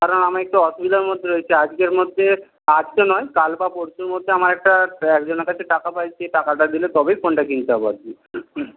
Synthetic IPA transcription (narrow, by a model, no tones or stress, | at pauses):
kaɾonamaek̚ʈuɔʃubid̪aɾmod̪ʱːeɾoet͡ɕʰiad͡ʑkeɾmod̪ʱːe | ad͡ʑkonɔjkalbapoɾsuɾmod̪ʱːeamaɾɛk̚ʈaɛkd͡ʑoneɾkat͡ɕʰeʈakapajt͡ɕʰeʈakaʈad̪ilet̪ɔbejkʰoɳʈakint̪aba̰ɾt͡ɕi